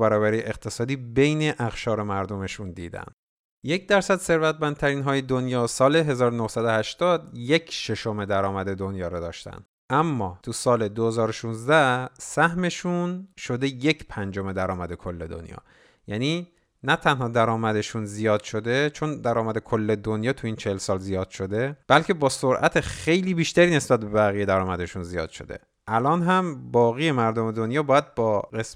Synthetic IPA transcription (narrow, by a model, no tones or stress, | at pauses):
bæɾɒːbæɾiʔeqt̪ʰe̞sɒːd̪iːbe̞jneʔæxʃɒːɾe̞mæɾd̪o̞me̞ʃund̪iːd̪æ̰n | je̞c̚ʰd̪æɾsæd̪se̞ɾvæt̪ʰmænd̪t̪ʰæɾiːnɦɒːjed̪onjɒːsɒːle̞ɦe̞zɒːɾonohsæd̪o̞hæʃt̪ɒːd̪je̞cʰʃeʃo̞me̞d̪æɾɒːmæd̪e̞d̪onjɒːɾɒd̪ɒːʃt̪æ̰n | ʔæmːɒːt̪ʰusɒːle̞d̪ohe̞zɒːɾoʃunzd̪æsæhme̞ʃunʃo̞d̪e̞je̞cʰpʰænd͡ʒo̞me̞d̪æɾɒːmæd̪e̞kʰo̞lːe̞d̪o̰njɒ̰ː | jæniː | næt̪ʰænɦɒːd̪æɾɒːmæd̪e̞ʃunzijɒːd̪̥ʃo̞d̪e̞t͡ʃʰo̞nd̪æɾɒːmæd̪e̞kʰolːe̞d̪onjɒːt̪ʰujiːnt͡ʃʰehelsɒːlzijɒːd̪̥ʃo̞d̪e̞b̥ælcʰe̞bɒːsoɾʔæt̪ʰexe̞jliːbiːʃt̪æɾiːne̞sbæt̪̚be̞bæɣiːje̞d̪æɾɒːmæd̪e̞ʃunzijɒ̰ːd̪̥ʃo̞̰d̪e̞̰ | ʔælɒːnɦæmbɒːɣije̞mæɾd̪o̞me̞d̪o̞njɒːbɒːjæd̪̚bɒːɣes